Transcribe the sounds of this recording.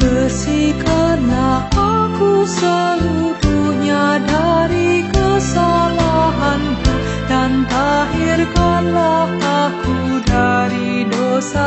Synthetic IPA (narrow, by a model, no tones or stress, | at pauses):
bəsikanlahʔakusəlut̪uuɲadaɾikəsalaɦanku | dant̪aɦirkanlaht̪akudaɾidosa